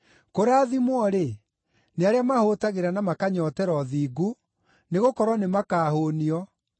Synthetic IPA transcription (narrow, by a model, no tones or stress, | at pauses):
koɾaːðimwɔɾe | neaɾeamahotaɣeɾanamakaɲɔtɛɾɔðiːɡu | neɣokɔɾwɔnemakaːhoːniɔ